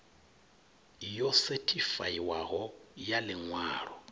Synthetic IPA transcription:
jɔsɛtʰʼifa̰iwaɦɔjalɪŋwa̰ːrɔ

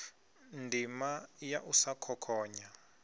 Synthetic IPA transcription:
ndʱimajaʔusakʰɔkʰɔːɲa

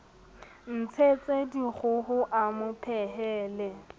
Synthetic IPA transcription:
n̩t͡sʰet͡sʼediɣʊhʊʔamʊpʰɛɦɛːlɛ

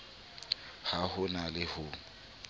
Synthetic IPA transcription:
hahʊnalɪhʊːŋ̩

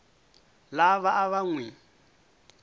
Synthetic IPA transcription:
laβaʔaβaŋwɛ

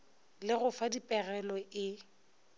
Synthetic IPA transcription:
lɪɣʊfadipʼɛɣɛlɔʔɪ

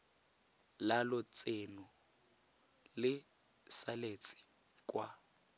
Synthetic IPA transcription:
lalʊt͡sʼenʊ | lɪ | salet͡sʼi̥ | kʼwa

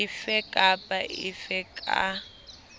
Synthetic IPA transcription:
ɪfɛkʼapʼaʔɪ̰fɛkʼa̰

